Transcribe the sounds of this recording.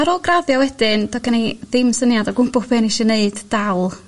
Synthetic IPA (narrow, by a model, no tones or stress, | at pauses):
aɾɔlˠɡraðjɔwɛdɪnd̥ɔɡəneðɨmsənjadɔɡʊmbʊpʰɨniʃɛneɨd̥d̥awlˠ